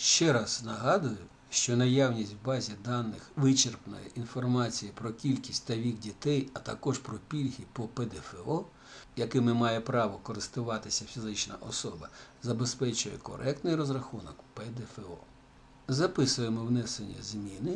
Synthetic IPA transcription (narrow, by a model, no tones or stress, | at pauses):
ʃt͡ʃɛɾɑznɐɦɑd̪ʊjʊ | ʃt͡ʃɔnɐjawnʲisʲtʲwbɑzʲid̪ɑnːɪxʋɪt͡ʃerpnɔ̰jḭʔinfɔrmɑt͡sʲijipɾɔkʲilʲkʲi̥sʲtʲt̪ɐʋʲikdʲit̪ɛjɐt̪ɐ̰kɔʒpɾɔpʲilʲɦʲipɔped̪ɛfeɔ | jɐkɪmɪmɑjɛpɾɑʋɔkɔɾɪst̪ʊʋɑt̪ɪsʲɐfʲizɪt͡ʃnɐ̰ʔɔsɔbɐzɐbe̞spɛt͡ʃʊjɛ̰kɔ̰ɾʔɛk̚t̪nɪjrɔzɾɐxunɔkped̪efeɔ̰ | zɐpɪsʊjemɔwnɛsenʲːɐ̰zmʲinɪ